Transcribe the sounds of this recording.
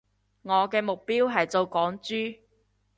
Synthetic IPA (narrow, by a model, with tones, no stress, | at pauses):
ŋɔː˨˧kɛː˧mʊ˨k̚piː˥wɦɐ˨jt͡so˧wkɔː˨˥ŋt͡ʃyː˥